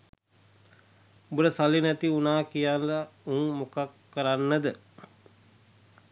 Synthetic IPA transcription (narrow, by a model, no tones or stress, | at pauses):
ubəɾəsalinæt̪iunaːkijanlauŋmukakːəɾanːəd̪ə